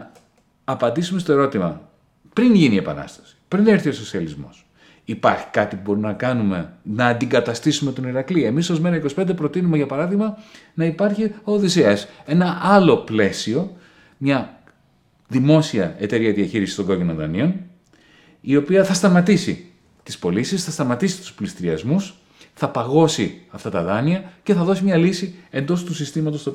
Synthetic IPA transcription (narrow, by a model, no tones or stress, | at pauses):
pɐnd̪isume̞st̪oe̞ɾo̞t̪imɐ | pɾinʝinie̞pɐ̰nɐ̰st̪ɐ̥si̥pɾinθiɾθio̞so̞siɐlizmo̞s | ipɐɾçi̥kɐt̪ipubo̞ɾinɐkɐnume̞nɐːnd̪iŋɡɐt̪ɐst̪isume̞t̪oniɾɐklie̞miso̞zme̞ɾɐikosi̥pe̞nd̪e̞pɾo̞t̪inume̞ʝɐpɐɾɐðiɣmɐnɐipɐɾçio̞ðiseɐse̞nɐʔɐlo̞ple̞sio̞ | mɲɐ | ðimo̞siɐe̞t̪e̞ɾiɐðiɐçiɾisi̥st̪oŋɡo̞cino̞nðɐ̰nio̞n | io̞piɐθɐst̪ɐmɐt̪isḭ | t̪ispo̞lisisθɐst̪ɐmɐt̪isi̥t̪u̥splist̪iɾiɐzmus | θɐpɐɣo̞siɐft̪ɐt̪ɐðɐniɐce̞θɐðo̞simɲɐlisie̞nd̪o̞st̪usist̪imɐt̪o̞st̪o